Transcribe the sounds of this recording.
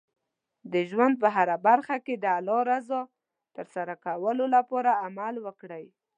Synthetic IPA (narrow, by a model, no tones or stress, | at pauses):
d̪əʒwand̪̚pəɦaɾabaɾxaked̪əalɑɾazo | t̪əɾsaɾakawəlolapɑɾaːmalwəkɽəj